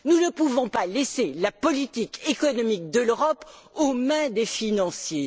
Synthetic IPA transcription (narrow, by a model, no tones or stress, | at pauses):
nunəpuvɔ̃paleselapɔlit̪ikekɔnɔmik̚d̪əløʁɔpomɛ̃d̪efinɑ̃sje